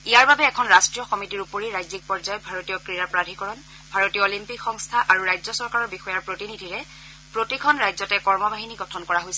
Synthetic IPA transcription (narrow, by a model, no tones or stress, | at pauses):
ijaɹbabɛːkʰɔnɹastɹijɔxɔmitiɹupoɹiɹajzik̚pɔɹzajɔbʱaɹotijɔkɹijapɹadʱikɔɹɔn | bʱaɹotijɔolimpikxɔŋstʰaʔaɹuɹajzɔsɔɹkaɹɔɹbixɔjaɹpɹotinidʱiɹɛ | pɹotikʰɔnɹajzɔtɛkɔɹmɔbʱaɦiniɡɔtʰɔnkɔɹaɦojsɛ